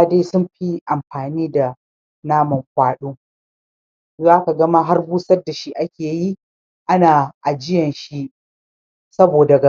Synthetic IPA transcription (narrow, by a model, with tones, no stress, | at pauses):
de˦sʊ˦mɸi˦ʔa˨mɸaː˨niː˦da˨ | naː˦mɐ˨mɸaː˦ɗuː˦ | zaː˦ka˨ɡɐ˦ma˦ɦa˦rbuː˦sɐ˦dːa˨ʃi˦ʔa˦kʲeː˨ji˦ | ʔa˦naː˨ʔa˨d͡ʒɪ˦jɐ˨nʃi˦ʔ | sɐ˦boː˨da˨ɡa˨